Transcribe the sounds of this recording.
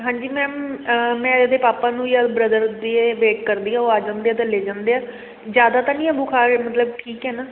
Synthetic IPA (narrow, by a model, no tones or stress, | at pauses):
ɦãːɲd͡ʒiːmɛ̃ːmmɛ̃ːəd̪eːpaːpaːnũːjaːbɾəd̪əɾd̪iːeʋeːkːəɾd̪iːaːoːaːd͡ʒãːnd̪eːɛːt̪ãːleːd͡ʒãːnd̪eːɛː | d͡ʒjaːd̪aːt̪aːnĩːɛːbʊkʰaːɾmət̪ləb̚ʈʰiːkɦɛːnaː